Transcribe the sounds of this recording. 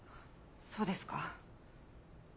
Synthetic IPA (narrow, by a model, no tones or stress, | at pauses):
so̞ːd̪e̞sɨ̥ka